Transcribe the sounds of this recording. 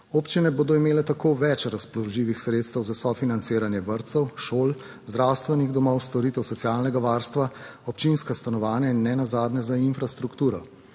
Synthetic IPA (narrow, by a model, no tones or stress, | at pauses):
oːpt͡ʃinɛboːd̪ɔimeːlɛt̪akʰoːʋɛt͡ʃɾasplɔʒiːʋixsɾeːt̪st̪əwzasɔfinant̪seːɾanjɛʋəɾt̪sɛwʃoːl | zd̪ɾawst̪ʋɛniɣd̪ɔmɔwst̪ɔɾit̪ɛwsɔt̪sjaːlnɛɡaʋaːɾst̪ʋaɔpt͡ʃinskast̪anɔʋaːnjainːɛnazaːd̪nɛzainfɾast̪ɾukt̪uːɾɔ